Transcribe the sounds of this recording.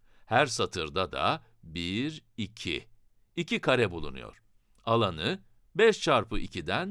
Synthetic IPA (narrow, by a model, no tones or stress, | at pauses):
hæɾsat̪ʰɯɾd̪ad̪a̰ | biɾicʰḭ | icikʰaɾɛbulˠunṵjo̞̰ɾ̥ | alˠanɯ | bɛʃt͡ʃʰaɾpʰɯʔicʰid̪æn